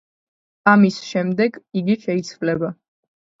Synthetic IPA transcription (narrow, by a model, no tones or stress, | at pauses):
amisʃɛmd̪ɛɡiɡiʃɛit̪sʰvlɛba